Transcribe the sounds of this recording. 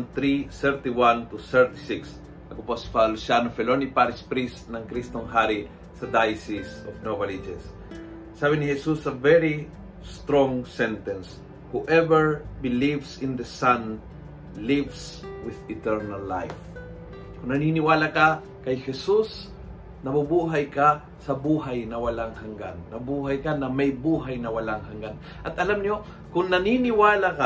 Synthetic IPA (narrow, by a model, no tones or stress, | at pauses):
nt̪ɾisɛɹt̪iwãnt̪usɛɹt̪isiks | ʔɐkopospalʊsanofɛlonipaɾɪspɾisnɐŋkɾist̪oŋɦaɾi | sɐd̪ajsisofnovɐlid͡ʒɛsː | aβɪnihɛsusɐvɛɾi | st̪ɾõŋsɛ̃nt̪ɛ̃ns | huʔɛvɛɹbɪlivsɪ̃nd̪ɐsãn | lɪvswɪðɪt̪ɛɹnalːa̰jf | kʊŋnɐninɪwaːlaka | kɐjhɛsus | nɐbʊbuːɦajka | sɐbuːɦajnɐwɐlaŋhaŋɡa̰nːɐbuːɦajkanɐmɐjbuːɦajnɐwɐlaŋɦaŋɡan | ʔɐt̪ʔɐlamɲo | kʊŋnɐninɪwaːlaka